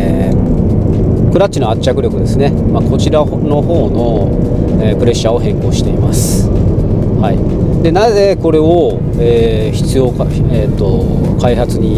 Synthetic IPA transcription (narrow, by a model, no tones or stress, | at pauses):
kɯ̟ɾat̪t͡ɕːino̞at͡ɕːakɯ̟ɾʲjo̞kɯ̟d̪e̞sɨne̞mako̞t͡ɕiɾa | no̞ho̞ːno̞ | epɯ̟ɾe̞ɕːao̞hẽ̞ŋko̞ːɕi̥t̪e̞imasɨ̥ | haḭ | d̪e̞naze̞ko̞ɾe̞o | eː | çi̥t͡sɨjo̞ːk | et̪ːo̞ | kaihat͡sɨɲ̟i